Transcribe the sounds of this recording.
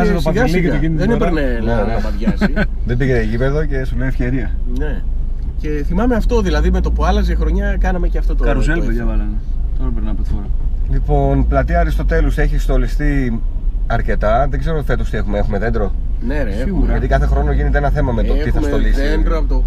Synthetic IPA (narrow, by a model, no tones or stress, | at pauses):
sɐt̪opɐɐieeinðenipeɾnelnenɐpɐðʝɐs | ðembiʝet̪eiʝipeðoce̞sulejefçeɾiɐ | ne | ce̞θimɐme̞ɐft̪o̞ðilɐðimet̪o̞puɐlɐzexɾo̞ɲɐkɐnɐmeceɐft̪ot̪oɐɾuseleʝɐvɐlɐne | t̪oɾɐpeɾnɐɐpot̪ifoɾɐlipo̞nplɐt̪iɐɾist̪o̞t̪e̞lose̞çist̪o̞list̪i | ɐɾce̞t̪ɐðeɡze̞ɾot̪fe̞t̪ost̪iexumeexume̞ðe̞nd̪ɾo̞ | ne | siɣuɾʝɐt̪ikɐθe̞xɾo̞noʝinet̪eenɐθe̞mɐme̞t̪ot̪iθɐssolisend̪ɾoɐpot̪o